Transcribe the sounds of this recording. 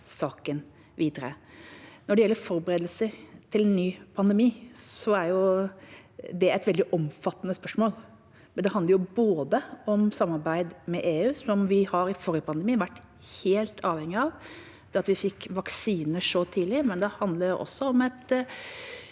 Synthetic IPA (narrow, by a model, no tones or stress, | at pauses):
sɑːkən | ʋʔiːd̪əɾə̰ | nɔɖɛjɛlːəɾfɔɾbəɾeːd̪əlsət̪ʰɪlɛnːyːpʰɑnd̪əmiːsɔæɾjʊ | d̪ɛæɪt̪ʋɛld̪ɪʔɔmfɑt̪ːənəspœʂmoːl | mɛnd̪ɛhɑnd̪əɾjʊboːd̪əɔmsɑmːɑɾbæɪd̪mɛʔeːʉːsɔmʋɪhɑɾɪfoːɾɪəpʰɑnd̪ɛmiːʋæʈː | heːlt̪ʰɑːʋhɛŋːɪɑʋ | d̪̥ɛɑt̪ʋɪfɪkːʋɑksiːnəʂɔt̪ʰiːlɪmɛnd̪ɛhɑnd̪ləɖɛʔɔ̰sːɔɔmɛt̪